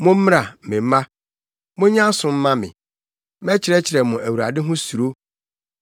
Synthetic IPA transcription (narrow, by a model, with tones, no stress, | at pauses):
mʊ̃˦m̩˦m˦a˨mɪ̃˨m̩˦mã˦ | mʊ̃˦ɲã˦sʊ̃˨m̩˦mã˦mɪ̰̃˨ | mɛ˦t͡ɕʰɪ˨ɾɛ˦t͡ɕʰɪ˨ɾɛ˨mʊ̃˨æ˨wu˨ɾa˨dɪ˦ɦʊ̃˦su˨ɾo˦